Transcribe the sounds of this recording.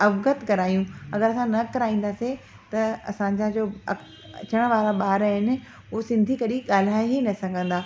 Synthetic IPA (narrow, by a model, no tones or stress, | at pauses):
ɐʋɡət̪kɐɾaːjũɐɡəɾɐsãnɐkɐɾaːĩːnd̪aːse | t̪ɐɐsãɲd͡ʑad͡ʑoːɐ | ɐ̰t͡ɕəɽ̃ʋaːɾaɓaːɾaɦɪnɪ̆ | ʊɦosɪ̃nd̪ʱikɐɗiɠaːl̤aːiɦinɐsɐɡʱə̃nd̪aː